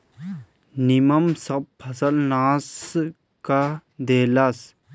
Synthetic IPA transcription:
nimamsaχpʰːasalnaːs | kad̪elas

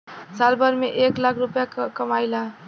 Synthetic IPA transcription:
salbəɾmeʔeklakʰɾupjakəmajla

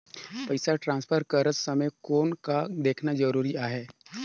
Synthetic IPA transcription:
pɐɪsaʈɾãːnspʰəɾkəɾəsɐməjkoːnkad̪eːkʰnad͡ʒɐɾuːɾiaːɦɛː

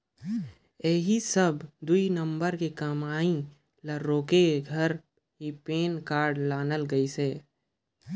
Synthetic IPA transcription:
ɛːɦisəbd̪uinə̃mbəɾkekəmaːĩ | ləɾːoːkeɡʱəɾ | ɦipeːnkaːɾɖlaːnəlɡəiseː

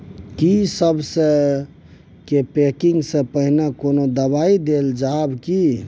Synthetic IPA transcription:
kisəbsə̃ | kepekiŋɡsə̃pəɦnakonod̪əbaid̪eld͡ʒabki

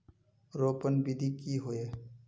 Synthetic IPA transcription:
ɾoːpənbid̪ʱikiɦoe

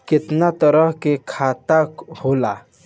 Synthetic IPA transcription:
kɪt̪nat̪əɾəɦkekʰaːt̪akhola

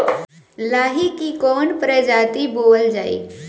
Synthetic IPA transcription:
laːɦikikɔːnpɾəd͡ʒaːt̪iboːld͡ʒaːḛː

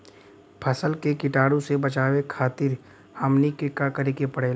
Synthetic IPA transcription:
pʰɐsəlkekɪʈaːɽõsebɐt͡ʃaːwekʰaːt̪ɪɾ | əmnikekakɐɾekepɐɽeːl

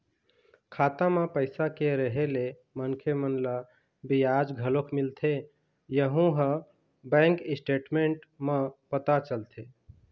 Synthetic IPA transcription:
kʰat̪amẽpəɪsakeɾəɦele | mənkʰemənla | bijad͡ʒɡʱəlokʰmilt̪ʰe | jəɦũɦə̃ | bɛ̃ŋkisʈeʈmeɳʈmepət̪at͡ʃəlt̪ʰe

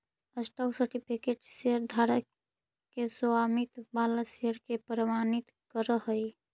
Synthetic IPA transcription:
əsʈɔksəɾʈipʰikeʈseəɾd̪ʱaɾə | kesowamit̪baləseəɾkepɾəmanit̪kəɾəɦəj

